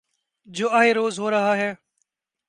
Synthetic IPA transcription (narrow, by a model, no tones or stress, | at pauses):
d͡ʒoːaːɦeːɾoːzɦoːɾəɦaːɦɛː